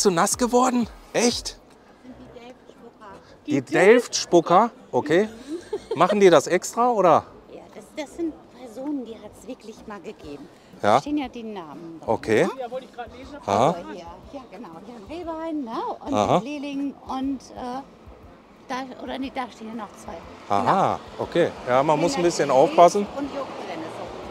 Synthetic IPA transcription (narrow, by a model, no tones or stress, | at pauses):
t͡sunasɡ̥əvɔɐdn̩ʔɛçt | iɛlfʊkɐ | dd̥iːdɛlftʃpʊkɐʔokʰeːmaχn̩diːɾasʔɛkstʁ̥aʔoːɾɐ | jaːd̥asd̥asz̥ɪnt̚pʰɛɐzoːnəndiːhatsv̥ɪɐklɪçmaːlɡəɡeːbm̩ | jaːteːənjaːdiːnaːməno̰kʰe̥ː | hahaiːɐjaːɡ̥ənaʊnveːbaɪnːnəʊnhaɦaleːlɪŋʊntʔɛː | d̥aʔo̰ːɾɐnid̥aːʃteːnjanɔχt͡sv̥aɪha̰haːʔokʰeːjaːmanmʊsn̩bɪsçənaʊfpasn̩ʊntjoɡʁɛnəzoː